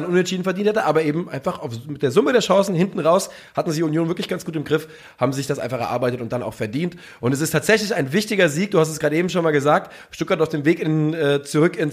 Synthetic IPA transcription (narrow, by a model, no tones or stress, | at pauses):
nʔʊnɛntʃiːdn̩fɛɐdiːnthɛtəʔaːbɐʔeːbm̩ʔa̰ɪnfaχaʊfmɪtd̥eːɐzʊməɾeːɐʃɑ̃ŋsn̩hɪntn̩ʁaʊs | hatn̩zɪçʊnjoːnvɪɐklɪçɡ̥ansɡ̥uːtɪmɡʁɪf | haːbm̩zɪçd̥asʔaɪnfaχɛɐa̰ɐbaɪtətʊnt̚d̥anaʊfɛɐdiːnt | ʔʊntɛs̬ɪstʰaːtz̥ɛçlɪçaɪnvɪçtɪɡɐziːk̚d̥uːhas̬tɛsɡ̥ʁaːɾəeːbm̩ʃoːnmaːlɡəzaːk̚t | ʃtʊtkɡ̥aɐtaʊfd̥eːmveːkɪnɛːt͡suʁʏkɪn